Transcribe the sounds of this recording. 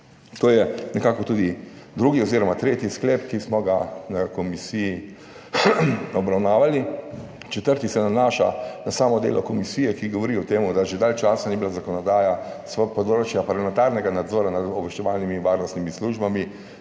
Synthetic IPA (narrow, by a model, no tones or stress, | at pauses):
t̪oːjɛnɛkaːkɔt̪uːd̪id̪ɾuɡiɔziːɾɔmat̪ɾeːt̪iskleːpkismɔɡanakɔmisiji | ɔbɾawnaːʋalit͡ʃɛt̪əɾt̪isɛnanaːʃa̰nasaːmɔd̪ḛːlɔkɔmisijɛkiɡɔʋɔɾiɔt̪eːmud̪aʒed̪alt͡ʃaːsanibilazakɔnɔd̪aːjasʋpɔd̪oɾot͡ʃjapaɾamɛ̃nt̪aɾnɛɡanad̪zɔːɾanad̪ɔbʋɛʃt͡ʃɛʋaːlnimiʋaːɾnɔst̪nimisluʒbami